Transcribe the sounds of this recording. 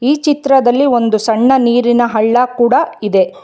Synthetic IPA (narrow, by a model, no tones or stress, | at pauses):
iːt͡ʃit̪ɾɐd̪ɐlːio̞nd̪usɐɳːɐniːɾinɐɦɐɭːɐkuːɽɐid̪e̞